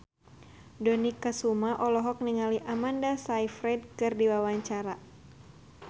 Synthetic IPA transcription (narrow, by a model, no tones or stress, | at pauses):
dɔnikasumaʔɔlɔɦɔk̚niŋaliʔamandasaifɾɛd̚kɨrdiwawaɲt͡ʃaɾa